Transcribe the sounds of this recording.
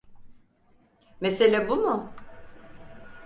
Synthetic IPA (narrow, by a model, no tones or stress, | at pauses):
meselʲæbumʊ